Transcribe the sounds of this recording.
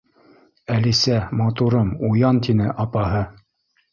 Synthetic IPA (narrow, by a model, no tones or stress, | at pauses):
ælisæmɑt̪uɾɤmujɑnt̪inɘʔɑpɑɦɤ